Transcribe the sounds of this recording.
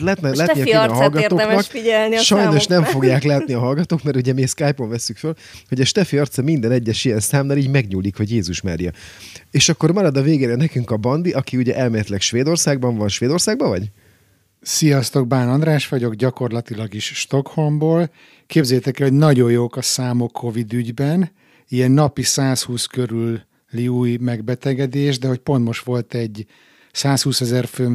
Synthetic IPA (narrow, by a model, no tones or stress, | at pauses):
lat̪nɛlaːt̪iɒøɒlɡɒoːnɒkfiɛlniʃɒjnno̞ʃnɛmfo̞ɡjaːklaːt̪niɒɦɒlɡɒt̪oːkmɛɾuɟɛmiskaːjpo̞ɱvɛsːykfølho̞ɟɒʃt̪ɛfiɒrt̪sɒmind̪ɛnɛɟːɛʃijɛnsaːmnaliːɟmɛɡɲuːlːikho̞ɟjeːzuʃma̰ːɾjɒeːʃɒkːo̞rmɒɾɒd̪ɒveːɡɛɾɛnɛkyŋkɒbɒnd̪iʔɒkiuɟɛʔɛlmeːlɛt̪lɛkʃʋeːd̪o̞rsaːɡ̚bɒɱvɒnʃʋeːd̪o̞rsaːɡbɒvɒɟ | sijɒst̪o̞ɡ̚baːnɒnd̪raːʃʋɒɟo̞ɡɟɒko̞rlɒt̪ilɒɡiʃʃt̪o̞kho̞mboːl | keːbzɛjt̪ɛkɛlho̞ɟnɒɟo̞jjoːkɒsaːmokʰːo̞vid̪yɟbɛn | iɛnːɒpisaːshuːskøɾylː | iuːjmɛɡbɛt̪ɛɡɛd̪eːʒd̪ɛɦo̞c̚po̞nt̪mo̞ʃt̪ʋo̞lt̪ɛɟː | saːshuːsɛzɛrføː